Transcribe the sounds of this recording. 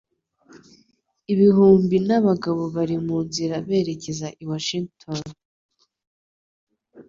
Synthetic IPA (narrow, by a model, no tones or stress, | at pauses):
iβiɦuːmbinaβaɡaβo̞βaɾimunziɾaβe̞ːɾe̞ce̞zaʔiwaʃiŋɡtʰon